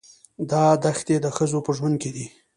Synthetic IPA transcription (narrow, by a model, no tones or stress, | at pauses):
d̪ɑd̪axt̪ed̪əxəzopəʒwand̪̚ked̪i